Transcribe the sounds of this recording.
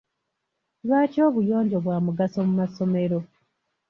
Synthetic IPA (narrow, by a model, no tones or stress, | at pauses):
lwaːco̞ːβujo̞ːɲɟo̞βwaːmuɡaso̞mumaso̞me̞ɾo̞